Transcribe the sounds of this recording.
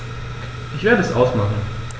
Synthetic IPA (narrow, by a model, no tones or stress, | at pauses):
ʔɪçv̥eːɐɾəɛsʔaʊsmaχn̩